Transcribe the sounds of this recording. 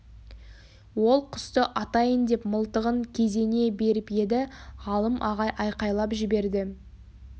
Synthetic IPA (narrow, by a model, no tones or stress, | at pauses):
wo̞lˠqʰʊst̪əʔɑt̪ɑjənd̪e̞pməlˠt̪əʁəŋkʲʰe̞ze̞ne̞be̞ɾɪpje̞d̪ɪʁɑlˠəmʔɑʁɑjʔɑjqɑjlˠɑpʒɪbe̞ɾd̪ɪ